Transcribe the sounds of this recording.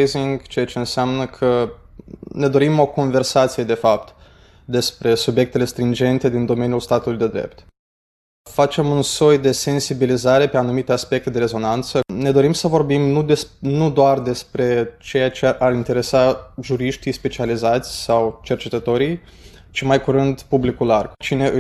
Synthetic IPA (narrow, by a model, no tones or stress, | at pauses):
jziŋɡt͡ʃejat͡ʃe̞ɨnseamnəkʰə | ne̞d̪o̞ɾimo̞ko̞nve̞rsat̪sije̞d̪e̞fapt̪ | d̪e̞spɾe̞subje̞k̚t̪e̞le̞st̪ɾind͡ʒe̞nt̪e̞d̪ind̪o̞me̞njulst̪at̪ulujd̪e̞d̪ɾḛp̚t̪ | fat͡ʃe̞munso̞jd̪e̞se̞nsibilizaɾe̞pe̞anumit̪e̞aspe̞k̚t̪e̞d̪e̞ɾe̞zo̞nant̪səne̞d̪o̞ɾimsəvo̞rbimnud̪enud̪oard̪e̞spɾe̞t͡ʃe̞jat͡ʃe̞ʔarint̪e̞ɾe̞saʒuɾiʃt̪ijspe̞t͡ʃializat̪sʲsawt͡ʃe̞rt͡ʃe̞t̪ət̪o̞ɾij | t͡ʃimajkuɾɨnd̪publikulart͡ʃine̞ʔɨ